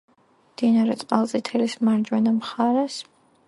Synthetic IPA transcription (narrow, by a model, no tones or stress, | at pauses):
md̪̥inaɾɛt̪sʼqʼalˠsʼit̪ʰɛlismaɾd͡ʒwɛnamχaɾɛs